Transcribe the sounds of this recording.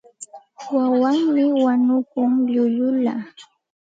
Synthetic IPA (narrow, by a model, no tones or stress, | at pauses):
wawaŋmɪwaɲʊkʊŋʎʊʎʊla